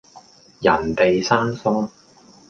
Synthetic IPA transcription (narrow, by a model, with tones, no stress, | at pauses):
jɐ˨˩nt̪e˨jsaː˥nfʊ˥ŋ